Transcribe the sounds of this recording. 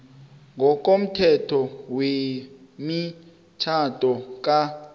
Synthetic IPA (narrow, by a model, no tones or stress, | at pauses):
ŋɡʱɔk̬ʼom̩tʰɛtʰɔwe | mi | t͡ʃʰatʼɔk̬ʼa